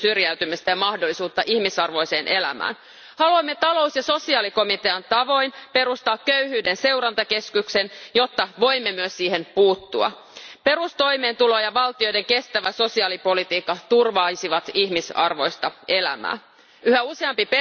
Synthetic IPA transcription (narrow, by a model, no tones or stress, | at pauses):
syrjæyt̪ymist̪æjɑmɑhdolːˑisuːt̪ːɑʔihmisɑrʋo̞jse̞ːnʔe̞læ̰mæ̰ːn | hɑluɑmːe̞t̪ɑlo̞wsjɑso̞siɑːliko̞mit̪eɑnt̪ɑʋo̞jnpe̞ɾust̪ɑːkkːøyhyːdense̞uwɾɑnt̪ɑke̞skyksenjo̞t̪ːɑʋo̞imːe̞myøssiːhe̞npuːt̪ːuɑ̰ | pe̞ɾust̪o̞jme̞ːnt̪ulo̞jɑʋɑlt̪io̞jde̞ŋke̞st̪æʋæso̞siɑːlipo̞lit̪iːkːɑt̪urʋɑjsiʋɑt̪ihmisɑ̰rʋo̞̰jst̪ɑe̞læ̰mæ̰ː | yhæuseɑmpip